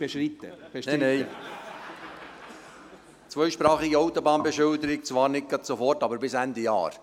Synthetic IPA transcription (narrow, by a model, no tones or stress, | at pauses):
eʃit̪ːəbnnɛj | t͡sʋœʏʃpɾɑːχiɡiɑwt̪ːobɑːnbɛʃʏwd̪əɾɪk̚t͡sʋɑːɾnɪkːətsofɔrtɑbəɾbɪsænd̪ijɑ̰ːɾ